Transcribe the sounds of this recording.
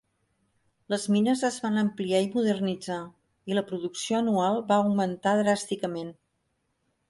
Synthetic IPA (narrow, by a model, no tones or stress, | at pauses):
ləzminəzəzβanəmpliaimuðərnid͡za | iləpɾuðuksioənualˠbaəwmənt̪aðɾast̪ikəmen